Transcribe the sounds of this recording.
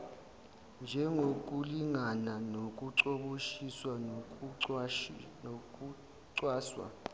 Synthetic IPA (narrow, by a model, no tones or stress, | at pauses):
nd͡ʒʱɛŋʱok̬ʼuliŋananok̬ʼuǀoɓoʃiswanok̬ʼu | k̬ʼu | ǀwaːswa̰